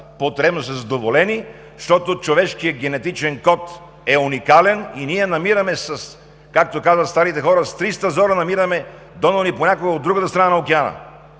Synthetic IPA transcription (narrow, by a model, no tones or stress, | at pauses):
pot̪ɾɛbnosəzɐd̪ovolɛni | ʃt̪ɔt̪ot͡ʃovɛʃkiəɡ̟ɛnɛt̪it͡ʃɛnkɔt̪ | ɛunikalɛniniɛnɐmiɾəmɛsɐs | kak̚t̪okazvət̪st̪aɾit̪ɛxɔɾəst̪ɾist̪əzɔɾənɐmiɾəmɛ | d̪ɔnoniponʲakoɡəod̪ːɾuɡət̪əst̪ɾɐnanɐokɛanə̰